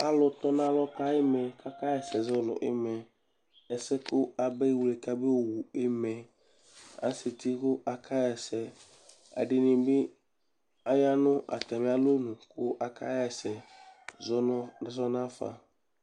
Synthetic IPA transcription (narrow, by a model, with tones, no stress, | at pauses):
a˨lʊ˨t̪ɔ˦nã˦lɔ˦ka˦ɛ˦mɛ˨ka˦ka˦jɛ˨sɛ˨zɔ˦lɔ̰˨ʔɪ̰˦mɛ˨ | ɛ˨sɛ˦kʊ˦a˨be˦wu˨le˨ka˦be˦˨wu˨ɪ˦mɛ˨ | a̰˨se˨t̪i˦kʊ˦ʔa˨kʰa˦jɛ˨sɛ˨ | a̰˨ɖɪ˨nɪ̃˨bɪ˦ | a˨ja˦nʊ̃˦ʔa̰˨t̪ɛ˨me˦a˦lo˦nʊ̃˨kʊ˦ʔa˨ka˦jɛ˨sɛ˨zɔ˦˨zɔ˦nã˦fa̰˨